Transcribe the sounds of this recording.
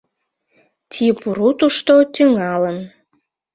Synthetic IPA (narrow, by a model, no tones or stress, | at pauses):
t̪ʲʰipuɾut̪uʃt̪ot̪yŋɑlən